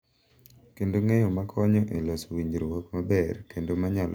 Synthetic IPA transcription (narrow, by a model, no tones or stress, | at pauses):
kendoŋejɔmakʰɔɲɔʔelɔswiɲd͡ʒɾowɔkmabɛrkendomaɲal